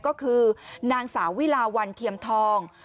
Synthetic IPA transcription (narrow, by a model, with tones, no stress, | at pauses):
kɔː˥˩kʰɯː˧naː˧ŋsaː˩˦wi˦˥˨laː˧wa˧nt̪ʰi˧əmt̪ʰɔː˧ŋ